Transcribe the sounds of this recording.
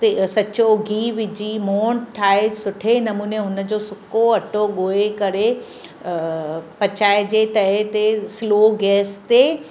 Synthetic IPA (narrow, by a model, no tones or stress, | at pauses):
t̪esɐt͡ɕoɡʱiːʋɪd͡ʑiːmoːɳʈʰaːesʊʈʰenɐmuːneɦʊnə̆d͡ʑosʊkoɐʈoɡoːekɐɾe | pɐt͡ɕaːed͡ʑet̪ɐɦet̪esloːɡɛːst̪e